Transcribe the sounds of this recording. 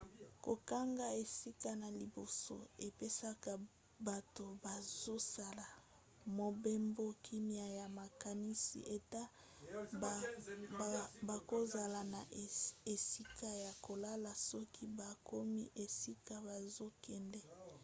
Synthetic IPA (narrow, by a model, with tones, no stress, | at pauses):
ko˨ka˦ŋɡa˦e˨si˦ka˦na˨li˨bo˨so̰˦e˨pe˦sa˦ka˨ | ba˨to˨ba˨zo˦sa˨la˨ | mo˨be˦mbo˦kʰi˦mja˨ja˨ma˨ka˨ni˦sḭ˨ʔe˨ta˦ | ba˨ko˦za˨la˨na˨e˨si˦ka˦ja˨ko˨la˦la˨sɔ˦kʰi˦ba˨ko˦mḭ˦ʔe˨si˦ka˦ba˨zo˦kɛ˨ndɛ˦